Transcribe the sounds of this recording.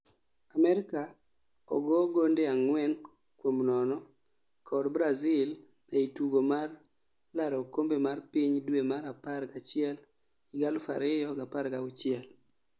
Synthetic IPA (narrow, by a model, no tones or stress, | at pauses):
amɛɾɪka | ɔ̰ɡɔɡondeaŋwɛn | kwomnɔnɔ | kʰɔdbɾazɪl | eituɡomar | laɾɔkombemarpiɲdwemaɾapaɾɡat͡ʃɪɛl | iɡalfa̰ɾɪjɔɡapaɾɡaʊt͡ʃɪɛl